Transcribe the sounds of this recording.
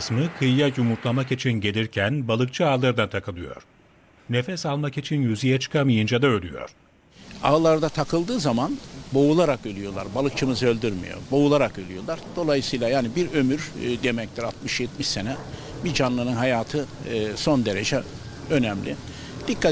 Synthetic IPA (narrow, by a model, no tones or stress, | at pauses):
smɯkʰɯjjajumuɾt̪lˠamakit͡ʃʰinɟe̞lʲiɾcʰænbalˠɯk̚t͡ʃʰɯaːlˠaɾd̪at̪ʰakʰɯlˠɯjo̰ɾ̥ | ne̞fɛsalˠmakit͡ʃʰinjyzijɛt͡ʃʰɯ̥kʰamijɯnd͡ʒad̪aølʲyjo̞̰ɾ̥ | a̰ːlˠaɾd̪at̪ʰakʰɯlˠd̪ɯːzamanbo̞ulˠaɾakølʲyjo̞lˠa̰ɾbalˠɯk̚t͡ʃʰɯmɯzø̞lʲd̪yɾmḭjo̞̰bo̞ulˠaɾakølʲyjo̞lˠaɾ̥d̪̥o̞lˠajɯsɯjlˠajaːnibiɾø̞myɾd̪emɛclʲiɾat̪mɯʃjɛt̪miʃse̞nɛ | bid͡ʒanlˠɯnɯnɦajaːt̪ʰɯ | so̞nd̪e̞ɾe̞d͡ʒɛ | ø̞nɛmlʲi | d̪̥ikʰːa